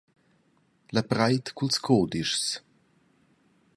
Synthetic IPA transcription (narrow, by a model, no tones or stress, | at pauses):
lapɾajt̪kulskʰoːd̪iʃs